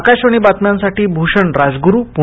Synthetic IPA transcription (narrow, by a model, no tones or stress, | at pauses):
kaɕaɽ̃ibat̪mjãnsaʈiːbʱuʂəɳɾad͡zɡuɾupu